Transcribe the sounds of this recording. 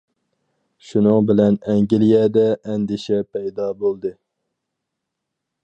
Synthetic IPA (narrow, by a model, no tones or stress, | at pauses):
ʃunɨŋbɪlɛnɛŋɡʲilijɛd̪ɛʔːnd̪ɪʃɛpʰɛjd̪ɑbolˠd̪ɨ